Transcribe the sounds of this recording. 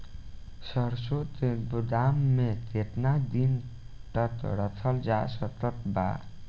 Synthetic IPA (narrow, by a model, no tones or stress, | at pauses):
sʌɾsot̪ebud̪amːet̪et̪nad̪in | ʈʌt̪ɾʌt̪ʰʌld͡zasʌt̪ʌt̪ba̰